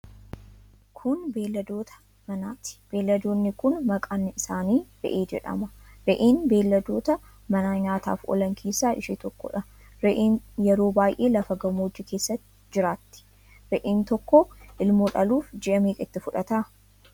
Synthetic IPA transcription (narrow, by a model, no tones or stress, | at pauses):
kʰʊnbeːlːɐd̪o̞ːt̪ʰɐ̥ | mɐnaːt̪ɪ̥b̥eːlːɐd̪o̞ːnːɪkʊnmɐkʼaːnːɪɪsaːniːɾɛ̰ʔeːd͡ʒɛ̰ᶑɐ̰mɐɾɛʔeːnbe̞ːlːɐd̪o̞ːt̪ɐ | mɐnaːɲaːt̪a̰ːfɔ̰lɐŋkʰiːsaːʔɪ̰ʃiːt̪ɔkːɔ̰ᶑɐ | ɾɛʔeːnjɛɾo̞ːbaːjʔe̞ːlɐfɐɡɐmoːd͡ʒɪkʰe̞ːsːɐt̪ːɪd͡ʒɪɾaːt̪ːɪ̥ | ɾɛʔeːnt̪ɔkːɔʔɪlmoːᶑɐluːfd͡ʒɪʔɐmeːkʼɪ̰t̪ːɪfʊᶑɐt̪a